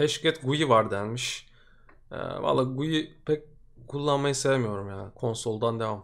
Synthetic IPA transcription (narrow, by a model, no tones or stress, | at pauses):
ɛʃcʰɛt̪ɡujivaɾd̪ænmiʃ | ɛ̰va̰lˠːaːɡujipʰɛc̚ | kʰulˠːanmajɯsevemijo̞ɾumjaːnɪkʰo̞nso̞lˠd̪and̪evam